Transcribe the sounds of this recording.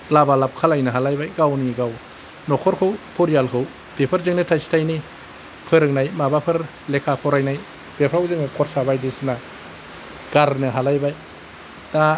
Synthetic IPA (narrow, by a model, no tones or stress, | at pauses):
labalap̚kʰalajnɯɦalajbajɡawniɡaw | nɔkʰɔɾkʰɯwpʰɔɾijalkʰɯw | b̥epʰɯɾzɯŋnɯtʰasi̥tʰajni | pʰɯɾɯŋnajmabapʰɯɾ | lekʰapʰɔɾajnaj | b̥epʰɾawzɯŋnɯkʰɔɾsabajdisna | ɡ̥aɾnɯɦalajbaj | na